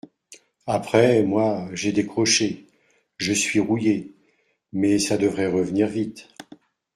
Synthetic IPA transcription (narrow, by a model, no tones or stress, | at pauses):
apχɛmwaʒed̪ekχɔʃe | ʒəsɥiʁuje | mɛsad̪əvʁɛʁəvniʁvit̪